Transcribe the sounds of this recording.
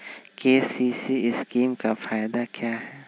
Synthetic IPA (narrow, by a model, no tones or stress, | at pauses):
keːsiːsiɪskiːmkafaːɪd̪akjaːɦɛː